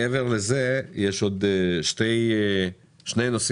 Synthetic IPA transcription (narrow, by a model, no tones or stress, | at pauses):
ɛvɛʁlɛzɛjɛʃod̪ʃtej | ʃnejnos